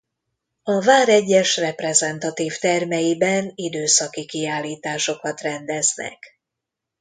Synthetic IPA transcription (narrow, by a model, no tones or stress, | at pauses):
ɒvaːɾɛɟːɛʃrɛprɛzɛnt̪ɒt̪iːft̪ɛrmɛjibɛnid̪øːsɒkikiaːlːiːt̪aːʃo̞kɒt̪rɛnd̪ɛznɛ̰k